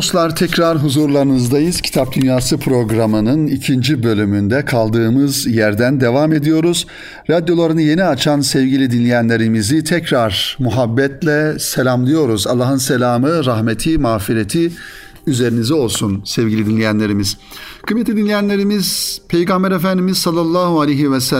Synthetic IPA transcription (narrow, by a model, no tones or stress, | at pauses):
d̪oslˠaɾt̪ʰɛcɾaɾɦuzuɾlˠaɾɯnɯzd̪ajɯz̥cʰi̥t̪ʰap̚d̪ynjaːsɯpʰɾo̞ɡɾamɯnɯnicʰind͡ʒibø̞lʲymynd̪ɛkʰalˠd̪ɯːmɯzjæɾd̪ænd̪e̞vame̞d̪ijo̞ɾuz̥ | ɾad̪jo̞lˠaɾɯnɯje̞niat͡ʃʰansɛvɟilʲid̪inlʲijænlʲe̞ɾimizit̪ʰɛcɾaɾmuɦabːɛt̪lʲɛselʲamlˠɯjo̞ɾuzalˠːaːɦɯnselʲaːmɯɾahmet̪ʰimaːfiɾet̪ʰi | yze̞ɾinizɛo̞lˠsunsɛvɟʲilʲid̪inlʲejænʲe̞ɾimiz̥ | kʰɯmːet̪ʰlʲid̪inlʲejænlʲe̞ɾimizpʰejɡambæɾefænd̪imiz̥salˠːalˠːaːhualʲejɦivɛsæ